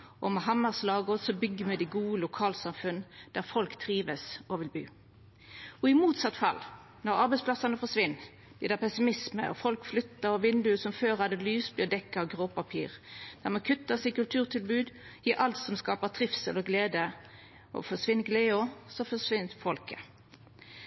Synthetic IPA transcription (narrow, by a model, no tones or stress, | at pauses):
ʔɔmɛɦɑmːəʁslɑːɡʊsɔbʏɡːəmɛd̪ɪɡuːəlʊkʰɑːlsɑmfʉnd̪̥æʁfɔlkt̪ʰʁiːʋəsɔʋɪlby̰ː | ɔɪmuːt̪sɑt̪ːfɑ̰lː | nɔʁɑɾbɛɪspʰlɑsɑnəfɔsʋɪnː | d̪id̪æʁpɛsɪmɪsmə̰ɔ̰fɔlkflʏt̪ːəɾɔʋɪnd̪ʉəsɔmføːɾhɑd̪əlyːsbjøːd̪ɛkːəɔɡʁoːpɑpʰḭːʁd̪̥æʁmɑnkʰʉt̪ːəsɪkʉlt̪ʰʉːʁt̪ʰɪlbʉːd̪jiːɾʔɑlt̪sɔmskɑːpət̪ʰʁɪfsəlɔɡleːd̪ə | ɔ̰fɔsʋɪnɡleːɔsɔfɔsʋɪnt̪fɔlkə